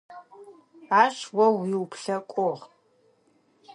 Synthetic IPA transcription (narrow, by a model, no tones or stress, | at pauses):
aːʃwɐwiwpʰɬɐkʷʼɔʁ